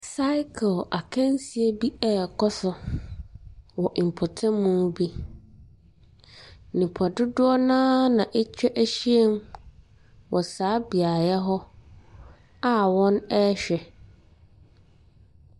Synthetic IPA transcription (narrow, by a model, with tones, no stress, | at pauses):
sa˦ɪ˦kʰla˨kʰɛ̃˦nsi˨e˦bi˦ɛ˦˨kʰɔ˦sʊ˨˦ | wɔ˨ʔm̩˨pʰʊ˨tʰɛ̃˦mũ˦bi˦ | nĩ˨pʰɔ˨dʊ˦dʊ˦ɔ˦nãː˦nã˨ʔe˦t͡ɕᶣɛ˦ʔæ˦ɕi˦e˦m | wʔɔ˨saː˨˦bi˨a˨jɛ˦ɦɔ˦ | a˦wɔ̃˦nɛ˦ɕᶣɛ˨